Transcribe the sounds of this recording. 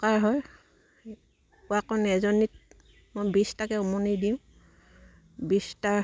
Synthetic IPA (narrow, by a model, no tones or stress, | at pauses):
kaɹɦɔj | uakɔnɛzɔnit̚ | mojbistakɛumɔnidiʊ̃ | bista